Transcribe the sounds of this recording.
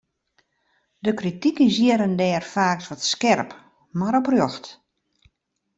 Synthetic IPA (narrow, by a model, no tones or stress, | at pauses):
dəkritikəsjiəɾəndɛːrfaːksʋɔtskɛrp | maɾɔprjoxt